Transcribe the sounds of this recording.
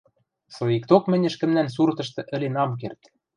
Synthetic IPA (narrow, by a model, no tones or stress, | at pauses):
sɤ̆ikt̪okmɘ̆nʲɘ̆ʃkɘ̆mnæns̬urt̪ɤ̆ʃt̪ɤ̆ʔɘ̆lenɑmk̬ert̪